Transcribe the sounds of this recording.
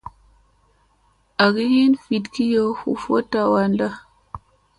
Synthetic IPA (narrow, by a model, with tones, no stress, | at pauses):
ʔa˨ɡi˦hi˦nfi˨tki˦jo˦hṵ˨fo˦tːa˨wa˨nda˦